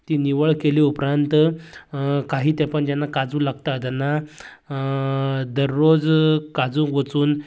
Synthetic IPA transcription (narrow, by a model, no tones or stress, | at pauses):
t̪iːniʋəɭkeliupɾant̪ | kaɦiːt̪ɛ̃pəɳd͡ʑɛnːakad͡zũːlaɡt̪at̪ɛnːa | d̪əɾːod͡zkad͡zũkʋət͡suːn